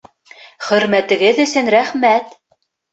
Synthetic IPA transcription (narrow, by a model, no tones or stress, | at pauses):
χɵ̆ɾmæt̪ɘ̆ɡɘðɵ̆sɵnɾæχmæt̪